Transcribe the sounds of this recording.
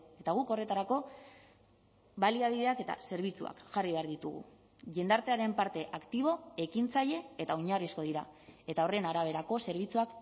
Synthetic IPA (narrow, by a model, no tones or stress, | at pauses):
e̞t̪aɣ̞uko̞re̞t̪aɾako̞ | βaliaβiðe̞ake̞t̪a̰se̞ɾβ̞it͡sua̰kʝariβe̞aɾðit̪uɣ̞ṵ | ʝe̞nd̪aɾt̪e̞aɾe̞mpaɾt̪e̞ʔakt̪iβ̞o̞e̞kint͡saʎe̞et̪aoɲarisko̞ðiɾae̞t̪ao̞re̞naɾaβ̞e̞ɾako̞se̞ɾβ̞it͡suak